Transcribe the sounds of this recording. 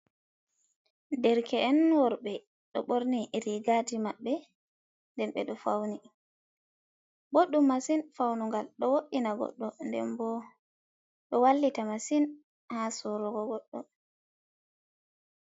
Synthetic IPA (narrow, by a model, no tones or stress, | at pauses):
dɛɾkʰɛːnwɔɾɓɛ | ɗɔɓoɾniɾiɡatimaɓːɛ | ndɛnɓɛɗɔfawni | boɗːumːasinfawnuŋɡalɗɔwoɗinaɡɔ̰ɗːɔndɛ̰nbɔ | ɗɔwalːitamasin | hasɔɾɔɡɔɡɔɗːɔ̰